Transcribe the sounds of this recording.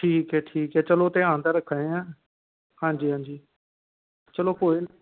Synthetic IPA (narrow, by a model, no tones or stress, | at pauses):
ʈʰiːkɛːʈʰiːkɛːt͡ʃəlot̪ẽãːnd̪aːɾəkʰaẽãː | hãːd͡ʒiːɦãːɲd͡ʑiː | t͡ʃəloːpoːi